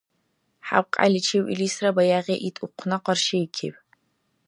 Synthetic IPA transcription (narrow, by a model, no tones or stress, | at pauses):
ħa̰w̚qʼa̰ɮʲɪt͡ʃʰewʔḭliːsrɐbajaːʁʲeʔitʼʊqʷʰnɐqɐrʃejkʲʰɪ̰pʰʼ